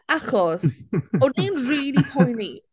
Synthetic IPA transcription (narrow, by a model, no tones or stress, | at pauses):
aχɔsɔninriːlipʰɔjni